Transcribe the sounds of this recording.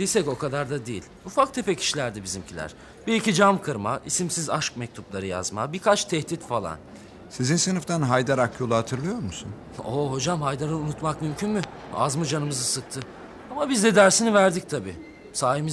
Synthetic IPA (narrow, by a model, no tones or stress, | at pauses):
d̪̥isɛco̞kʰad̪aɾd̪ad̪ejilʲufakt̪ʰepɛcʰi̥ʃilʲæɾd̪ɛbizimcʰilʲæ̰ɾ̥ | b̥iɾicid͡ʒamkʰɯɾma̰ʔisimsizaʃkmɛc̚t̪ʰuplˠaɾɯja̰zma̰bikʰat͡ʃt̪ʰɛht̪it̪falˠa̰n | sizinsɯnɯft̪ʰanɦajd̪aɾakjo̞lˠuhat̪ʰɯɾlˠɯjo̞ɾmusun | oɦo̞d͡ʒamhajd̪aɾɯunut̪makmymcʰynmʏa̰zmɯd͡ʒanɯmɯzɯsɯk̚t̪ʰɯ | amabizd̪ɛd̪æɾsinivæɾd̪ic̚t̪ʰabḭː | saːɦimiz